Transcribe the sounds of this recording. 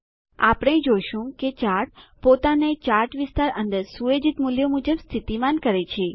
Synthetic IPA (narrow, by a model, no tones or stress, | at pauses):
a̰pɽ̃ẽd͡ʒojʃũket͡ʃaɾʈ̚pot̪anet͡ʃaɾʈʋɪst̪aɾənd̪əɾsued͡ʒit̪muljomud͡ʒəbst̪ʰit̪imankəɾet͡ʃʰe